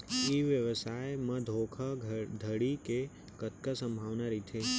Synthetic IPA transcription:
eʋjəʋəsaːeməd̪ʱoːkʰad̪ʱəɽike | kət̪kasə̃mbʱaːʋnaɾit̪ʰe

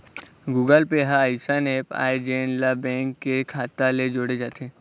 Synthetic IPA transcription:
ɡuːɡəlpeɦãaɪsəneːpa̰ːed͡ʒeːnlabɛ̃ːŋkːekʰaːt̪aled͡ʒoːɽed͡ʒaːt̪ʰeː

